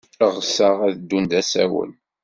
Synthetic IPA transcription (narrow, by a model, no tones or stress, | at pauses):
əʁsəʁæðd̪ːund̪æsæ̰wə̰n